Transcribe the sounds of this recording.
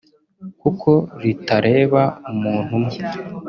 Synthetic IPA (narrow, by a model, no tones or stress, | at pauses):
kukʰo̞ɾitaɾʔe̞ːβaumuːn̥humŋe